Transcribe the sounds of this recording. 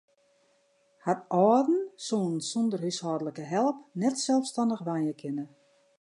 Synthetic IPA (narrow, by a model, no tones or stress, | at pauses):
hatɔːdn̩soːənsɔndərhyshɔːdələkəɦɛlˠəpnɛtsɛlˠfstandəxʋajəkʰɪnə